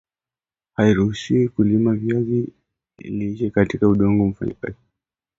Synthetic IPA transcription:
haiɾuhuʃiwikulimavjazi | niiʃɛkatikauɗɔŋɡɔm̩fa̰ɲḭka̰zi

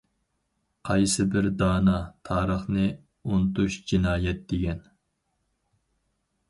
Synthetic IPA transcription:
qʰɑjsɨbɪɾd̪ɑːnɑt̪ʰɑːɾəχnɨ | unt̪uʃd͡ʒinɑːjɛt̪̚d̪eɡʲɛn

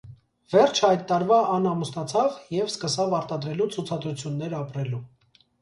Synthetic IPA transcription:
vɛɾt͡ʃʰɑjd̪̚t̪ːɑɾvɑɑnɑmusnɑt͡sʰɑvjɛvskəsɑvɑɾt̪ɑd̪ɾɛlut͡sʰut͡sʰɑd̪ɾut͡sʰjunːɛɾɑpɾɛlu

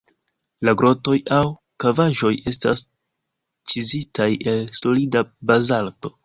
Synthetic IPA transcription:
laɡɾo̞to̞jaw | kavaʒo̞je̞sta̰s | t͡ʃizitaje̞lso̞lidabazalto̞̥

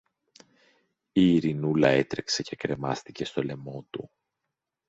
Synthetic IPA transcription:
iːɾinulɐe̞t̪ɾe̞kse̞ce̞kɾe̞mɐ̰st̪ice̞st̪o̞le̞mo̞t̪u

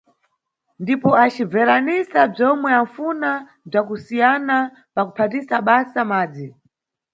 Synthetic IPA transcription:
ndipɔat͡ʃib͡vɛɾanisab͡ʐɔmwɛaɱfuna | b͡ʐakusijana | pakupʰatisaɓasamaːd͡zi

